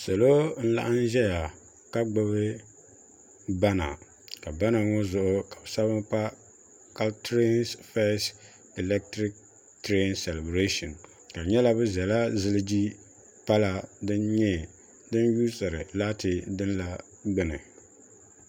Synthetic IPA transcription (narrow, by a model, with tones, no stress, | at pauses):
so˨lo˦n̩˦la̰˦ʔa˦n˦ʒɛ˦ja˨ | ka˦ɡ͡bɨ˦βɨ˦ | ba˦na̰˨ | ka˨ba˦na˨ŋɔ˦zʊ˨ʔʊ˦kḁ˨bɨ˨sa˦βɨ˦ŋk͡pa˦ | ka˦ltɾi˦nsfɛ˦s | i˨lɛ˦k̚tɾi˦k̚ | tɾe˦nsɛ˨lɛ˨bɾe˦ʃɔ˨n | ka˨ɲɛ˦la˦bɨ˦zɛ˨la˦zɨ˦lɨ˦d͡ʒi˦ | pa˦la˨dɨ˦nɲɛ˦ | dɨ˦nju˦sɨ˨ɾɨ˨la˦tɨ˨dɨ˦nla˨ | ɡ͡bɨ˦nɨ˨